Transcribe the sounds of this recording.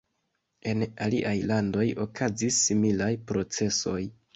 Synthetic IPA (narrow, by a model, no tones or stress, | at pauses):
e̞naliʔajlando̞jo̞̰kʰazisːimilajpɾo̞t͡se̞so̞j